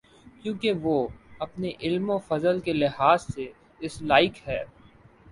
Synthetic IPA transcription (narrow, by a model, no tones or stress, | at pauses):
kjũːkeʋoːɐpneʔɪlmofɐzəlkelɪɦaːzse | ɪslaːɪkɦɛː